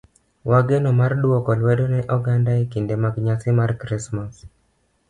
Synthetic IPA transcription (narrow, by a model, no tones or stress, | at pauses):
wʔaɡenomardwɔkɔlwedonɛʔɔɡandaekindemaɡɲasɪmarkɾismas